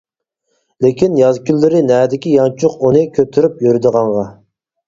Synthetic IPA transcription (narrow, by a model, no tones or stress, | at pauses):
lekʲinjɑzkʲʰylːɪɾɪnɛːd̪ɪkʲijɑnt͡ʃʰʊqunɨkʲʰøt̪ʰyɾypjøɾyd̪əʁɑɴʁɑ